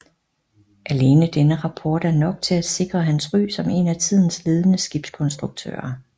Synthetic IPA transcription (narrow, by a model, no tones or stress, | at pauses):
ʔæle̝ːnəd̥enəʁɑ̈pʰɒːd̥æɐnɒ̽ɡ̥̚t͡sʰe̝læ̥se̝ɡ̥ʁɐɦænsʁy̰ːsɒ̽me̝næt͡sʰið̞̰ˠn̩sle̝ːð̞ˠənəsɡ̥ib̥skʰɒ̽nsd̥ʁuɡ̥̚t͡sʰø̰ːɐ